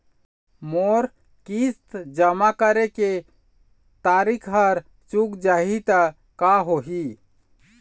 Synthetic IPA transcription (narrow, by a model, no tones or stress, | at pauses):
moɾ | kist̪d͡ʒəmakəɾeke | t̪aɾikʰɦəɾ | t͡ʃukd͡ʒaɦit̪ə | kaɦoɦi